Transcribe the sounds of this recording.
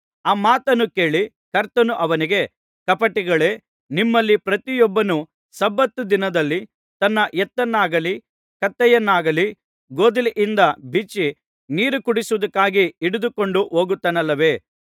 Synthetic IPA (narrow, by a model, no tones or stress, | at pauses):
aːmaːt̪ɐnːuke̞ːɭi | kɐɾt̪ɐnuʔɐʋɐniɡe̞ | kɐpɐʈːiɡɐɭe̞ː | nimːɐlːipɾɐt̪ijɔbːɐnu | sɐbːɐt̪ːud̪inɐd̪ɐlːi | t̪ɐnːɐʔɛt̪ːɐnːaːɡɐli | kɐt̪ːɛjɐnːaːɡɐli | ɡoːd̪iliʔind̪ɐbit͡ʃːi | niːɾukuɽisuʋɐd̪ɐkːaːɡiiɽud̪uko̞ɳɖuɦoːɡut̪ːɐnɐlːɐʋe̞ː